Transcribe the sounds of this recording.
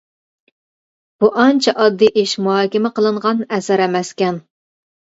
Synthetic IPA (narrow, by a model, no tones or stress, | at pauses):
b̥uʔɑnt͡ʃʰɛʔɑd̪ːɨʔeʃmuɦɑːkʲɪmɪqəlˠɨɴʁɑnɛsæɾɛmɛskʲɛn